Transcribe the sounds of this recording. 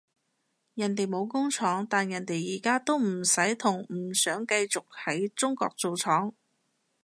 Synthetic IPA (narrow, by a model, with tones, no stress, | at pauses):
jɐ˨nt̪e˨jmo˨˧wkʊ˥ŋt͡sʰɔː˨˥ŋt̪aː˨njɐ˨˩nt̪e˨jːiː˨˩kaː˥t̪o˥wm̩˨˩sɐ˨˥jt̪ʰʊ˨˩ŋm̩˨˩sœː˨˥ŋkɐ˧jt͡sʊ˨k̚hɐ˨˥jt͡sʊ˥ŋkɔ̰ː˧k̚t͡so˨wt͡sʰɔː˨˥ŋ